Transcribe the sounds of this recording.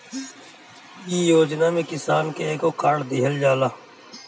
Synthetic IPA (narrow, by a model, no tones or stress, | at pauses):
iːjoːd͡ʒnaːmẽːkɪsaːnkeeːkoːkaːɽd̪ɪɦəld͡ʒaːlaː